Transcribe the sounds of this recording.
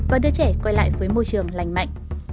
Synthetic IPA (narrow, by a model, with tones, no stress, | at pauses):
vaː˨˩ɗɨ˧ət͡ɕɛ˧˩kwɔ˧jla̰ː˧˨jvəː˨˦jmo˧jt͡ɕɨ˨˩əŋla˨˩jŋ̟ma̰˧˨jŋ̟